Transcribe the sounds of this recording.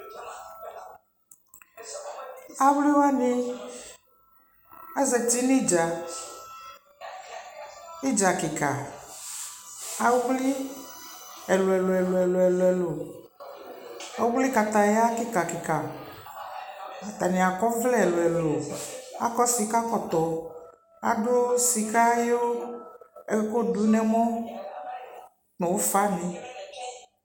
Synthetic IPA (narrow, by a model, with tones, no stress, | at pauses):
a˦wli˦wa˦ni˦ | a˦zɛ˨ti˦ni˦d͡ʒa˨ | i˦d͡ʒa˨ki˨ka˨ | a˨wwli˦ | ɛ˨lo˨ɛ˨lo˨ɛ˨lo˨ɛ˨lo˨ɛ˨lo˨ɛ˨lo˨ | a˨wo˦wli˦ka˨t̪a˨ja˦ki˦ka˨ki˨ka˨ | a˨t̪a˨nĩ˨a˨kɔ˦vlɛ˦ɛ˨lo˨ɛ˨lo˨a̰˦kɔ˦si˨ka˦kɔ˦t̪ɔ˨ | a̰˨ɖo˦si˨ka˦jo˦ | ɛ˨˦ko˦du˨˦nɛ̃˨mɔ̃˦ | nõ˨wo˦fa˦nĩ˨